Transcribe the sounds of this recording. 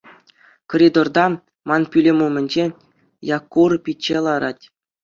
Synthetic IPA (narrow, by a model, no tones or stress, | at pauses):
koɾʲid̪ord̪ɑ | mɑnpʲylʲemumʲɘ̆nʲd͡ʑe | jɑkːurpʲit͡ɕːelˠɑɾɑtʲ